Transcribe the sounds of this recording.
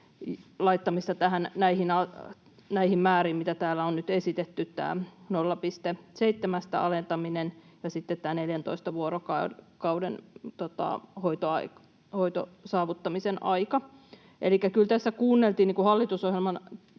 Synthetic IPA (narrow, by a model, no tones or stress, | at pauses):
lɑit̪ːɑmist̪ɑt̪æhænnæihinɑ | næihimmæːriːmmit̪æt̪æːlæonnyt̪esit̪et̪ːyt̪tæ̰ːnolːɑpist̪eseit̪ːemæst̪æ̰ɑ̰lent̪ɑminen | jɑsit̪ːet̪t̪ːæːneljænt̪oist̪ɑʋuoɾokɑkɑudḛnt̪ot̪ɑ̰hoit̪oɑ̰i | hoit̪o̰sɑːʋut̪ːɑmisenʔɑikɑ | ʔelikːækylt̪æsːækuːnːelt̪iːniːŋkuhɑlːit̪usohjelmɑn